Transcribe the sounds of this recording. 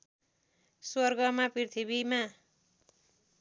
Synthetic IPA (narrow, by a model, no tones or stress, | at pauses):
swʌrɡʌmapirt̪ʰibima